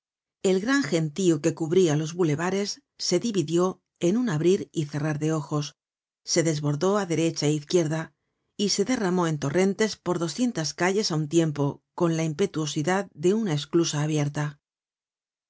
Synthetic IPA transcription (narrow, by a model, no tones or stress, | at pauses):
e̞lɣɾaŋxe̞nt̪ioke̞kuβɾialo̞zβule̞βaɾe̞sː | e̞ðiβiðjo̞ | e̞nunaβɾiɾiθe̞raɾðe̞o̞xo̞sː | e̞ðe̞zβo̞ɾðo̞aðe̞ɾe̞t͡ʃaeiθkje̞ɾða | ise̞ðe̞ramo̞e̞nt̪o̞re̞nt̪e̞spo̞ɾðo̞sθje̞nt̪askaʝe̞saunt̪je̞mpo̞ko̞nlaimpe̞t̪uo̞siðaðd̪e̞unae̞sklusaːβje̞ɾt̪a